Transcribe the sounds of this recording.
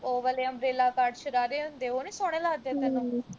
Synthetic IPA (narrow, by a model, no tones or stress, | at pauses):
oːʋəleːəmɾeːlaːkaɖt͡ʃʰəɾaːɾeːɦõːnd̪eːoːnẽːsoːɽ̃eːlaːd̪eːt̪ɛːnũː